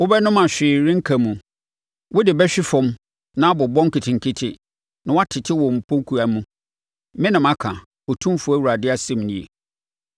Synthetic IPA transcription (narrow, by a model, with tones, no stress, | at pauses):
wʊ˦bɛ˦nʊ̃˦mã˨ɕᶣɪː˨ɾɪ̃˦ŋ̩˦kʰa˨mũ˨ | wʊ˦dɪ˨bɛ˦ɕᶣɪ˦fɔ̃˦m | nã˦bɔ˨bɔ̃˦ŋ̩˦ki˨tʰɪ̃˨ŋ̩˨kʰɪ˦tʰɪ˦ | nã˨wa˦tʰɪ˨tʰɪ˦wɔ˨m̩˨pʰo˦kʰu˨a˨mũ˦ | mɪ̃˦nɪ̃˨mã˦kʰã˨ | ɔ˨tʰũ˦fʊ˨˦æ˦wu˨ɾa˨dɪ˦a˨sɛ˦˨m˨nĩ˦˨ḛ˨